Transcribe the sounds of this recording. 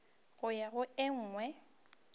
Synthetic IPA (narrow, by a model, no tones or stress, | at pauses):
ɣʊjaɣʊɪŋ̩ːŋwɛ